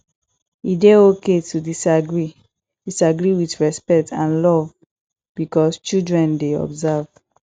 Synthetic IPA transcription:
ideoketudisaɡɹi | disaɡɹiwitɹɛspɛk̚tʰãnlɔv | b̥ikɔst͡ʃildɹɛ̃ndeɔ̰bzav

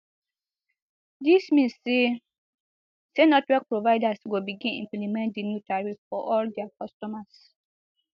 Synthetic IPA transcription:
dismĩnsːe | senɔtwɛk̚pɹovaɪdasɡobiɡĩnḭ̃mplimɛ̃nt̚dinjutaɹiffɔʔɔldɛakɔstɔmas

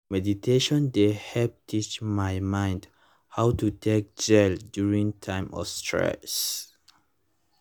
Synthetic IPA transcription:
mɛditʰeʃɔ̃ndehɛp̚tʰit͡ʃmajmãɪ̃nd | hawtutʰek̚d͡ʒɛldjuɹĩŋtʰãɪ̃mɔ̰vstʰɹɛ̰s

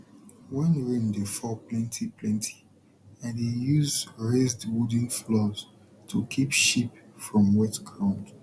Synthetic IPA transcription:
wɛ̃nɹĩndefɔplɛ̃ntʰipʰlɛ̃ntʰi̥ | ãnejuzɹezdwud̃n̩flɔz̥ | tʰukʰipʃipfɹɔ̃mwɛtɡɹãʊ̃nd

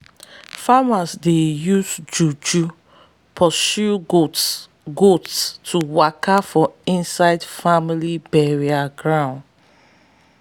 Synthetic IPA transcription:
famasdejuzd͡ʒud͡ʒu | pʰɔsuɡo | ɡotstuwakafɔĩnsaɪdfamilibɛɹiaɡɹãʊ̃nd

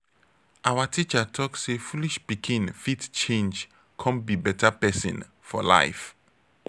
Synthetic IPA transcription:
ʔawatʰit͡ʃatʰɔksːefuliʃpikʰĩnfitt͡ʃẽnd͡ʒ | kʰɔ̃n̚bibɛtʰapɛsḭ̃n | fɔ̰la̰ɪf

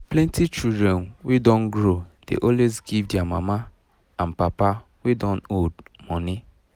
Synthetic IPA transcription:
plɛ̃ntit͡ʃudɾɛnwedɔ̃nɡɾod̥ḛʔɔlwezɡivdiamama | ãn̩papa | wedɔ̃nodmɔnɪ

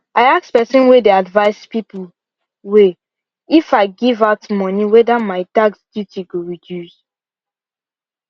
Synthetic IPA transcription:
aɪakspɛsɔ̃nwedeadvaɪspipl | we | ifaɪɡivaʊtmɔ̃niwɛdamaɪtaksd̥jutiɡoɹidjus

